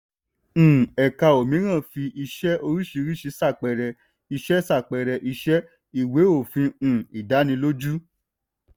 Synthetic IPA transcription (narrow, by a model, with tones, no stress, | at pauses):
ɛ˨ka˧o˨mĩ˨˦ɾ̃ã˦˨fi˧ʔi˧ʃɛ˦ʔo˧ɾi˦ʃi˧ɾi˦ʃi˧˦sa˦˨k͡pɛ˨ɾɛ˨ | i˧ʃɛ˦sa˦˨k͡pɛ˨ɾɛ˨ʔi˧ʃɛ˦ | i˦˨we˨˦o˦˨fĩ˧˨i˨da˨˦nĩ˧lo˦d͡ʒu˦